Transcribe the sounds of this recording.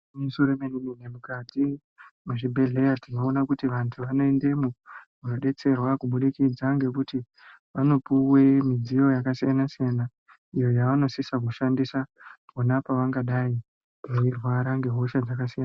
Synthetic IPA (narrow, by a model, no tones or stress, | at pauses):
musoɾemenininemukad͡zi | muʐibʱe̞ɮe̞jatinoonakutiʋantʰuʋano̞e̞nde̞mumunoɗe̞t͡se̞rwakuɓuɗikid͡zaŋɡe̞kuti | ʋano̞puwe̞mid͡zijo̞jakasijanasijana | ijo̞jaʋano̞sisak̬uʃandisaponapaʋaŋɡaɗai | uirwaɾaŋɡe̞ɦo̞ʃad͡zakasijana